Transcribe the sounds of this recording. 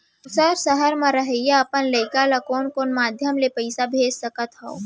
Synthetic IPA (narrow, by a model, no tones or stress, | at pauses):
səɾsɐɦəɾmãɾɐɦəjaɐpənleɪkaːlakoːnkoːnmaːd̪ʱjəmlepɐɪsabʱeːd͡ʒsɐkət̪ɦo̰o